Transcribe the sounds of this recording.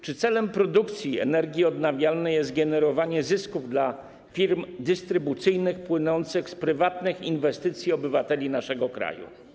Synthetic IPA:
t͡ʂɘt̪sɛlɛmpɾɔd̪ukt̪sʲjiɛ̰nɛɾɡʲiɔd̪navʲjalnɛjɛst̪̚ɡɛnɛɾɔvaɲɛzɘskuvd̪la | fʲiɾmd̪ɘst̪ɾɘbut̪sɘjnɘxpwɘnɔnt̪sɘxspɾɘvat̪nɘxinvɛst̪ɘt̪sʲjiɔbɘvat̪ɛlʲinaʂɛɡɔkɾa̰jṵ

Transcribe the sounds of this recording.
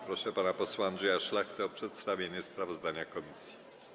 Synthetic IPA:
pɾɔʂɛpanapɔswaand̪ʐɛjaʂlaxt̪ɛɔpʂɛt̪st̪avʲjeɲɛspɾavɔzd̪aɲakɔmʲisji

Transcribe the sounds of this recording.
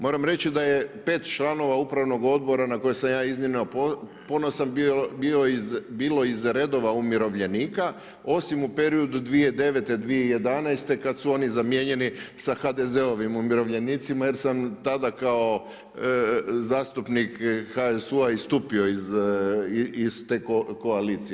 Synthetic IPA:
mo̞ːɾamɾe̞t͡ɕid̪aje̞pe̞ːt̪t͡ʃlˠano̞ʋaupɾaʋno̞ɡo̞d̪̚bo̞ɾanako̞jesamjaːizninopopo̞nosambioizbiːlo̞izɾe̞d̪o̞ʋaumiɾo̞ʋʎe̞niːka | o̞simupe̞ɾiod̪ud̪ʋied̪e̞ʋe̞t̪e̞d̪ʋieije̞d̪anɛjst̪e̞kad̪suo̞nizamje̞ɲe̞nisaxad̪eze̞o̞ʋimumiɾo̞ʋʎe̞niːt̪simaje̞ɾsamt̪ad̪akao̞ | zaːst̪upnikxaesuaist̪upioiz | ist̪ekoko̞aliːt̪sije

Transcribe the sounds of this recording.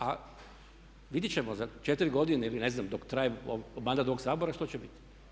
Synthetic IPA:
a | ʋid̪jit͡ɕemozat͡ʃet̪iɾiɡo̞d̪ineilineznamd̪okt̪ɾajeo̰omand̪at̪ooɡsaːboɾaʃt̪o̞t͡ɕebit̪i̥

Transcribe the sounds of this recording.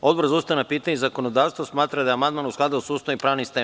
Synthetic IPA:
o̞d̪boɾzaust̪ajenapiːt̪aɲezakonod̪aːʋst̪ʋosmaːt̪ɾad̪ajamand̪manusklˠad̪aosuːst̪aipɾaːʋnist̪eː

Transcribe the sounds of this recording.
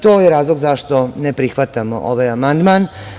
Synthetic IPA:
t̪oːjeɾaːzlˠoɡzaʃt̪o̞nepɾixʋat̪amo̰ʔoʋaːjamand̪maːn

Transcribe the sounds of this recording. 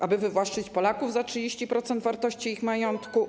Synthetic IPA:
ʔabɘvɘvwaʂt͡ʂɘt͡ɕpɔlakuvzatʂɨd͡ʑeɕt͡ɕipɾɔt̪sɛnd̪vaɾt̪ɔɕt͡ɕiixmajɔnt̪ku

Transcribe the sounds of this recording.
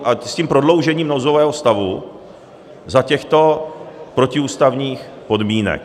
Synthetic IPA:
asciːmpɾo̞dlo̞wʒɛɲiːmnozovɛːɦost̪avu | zacɛxt̪o̞pɾo̞cɪuːst̪avɲiːx | po̞dmiːnɛ̰k

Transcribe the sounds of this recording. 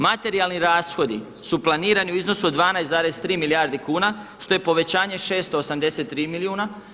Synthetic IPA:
mat̪e̞ɾialˠniɾaːsxo̞d̪i | suplˠaniːɾaniuizno̞suod̪ʋaːnajszaːɾe̞st̪ɾiːmilijaɾd̪ikuːnaʃt̪o̞je̞po̞ʋe̞t͡ɕaːɲe̞ʃe̞ːst̪oːsamd̪e̞se̞t̪ːɾiːmiliuːna

